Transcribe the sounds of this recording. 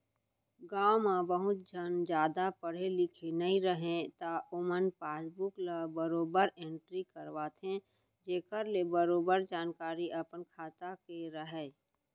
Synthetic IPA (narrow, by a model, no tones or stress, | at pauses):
ɡãːwmãbəɦʊt̪̚d͡ʒʱənd͡ʒjaːd̪apəɽ̤elɪkʰenəɦĩɾəɦẽt̪aʔʊmənpaːsbʊklabəɾoːbəɾẽɳʈɾikəɾʋaːt̪ʰɦẽ | d͡ʒeːkəɾlebəɾoːbəɾd͡ʒaːnkaːɾiʔəpənkʰaːt̪akeɾəɦɛ